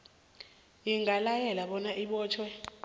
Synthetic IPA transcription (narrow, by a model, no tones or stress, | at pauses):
jiŋalajɛlaɓɔnaʔiɓɔːt͡ʃʰwɛ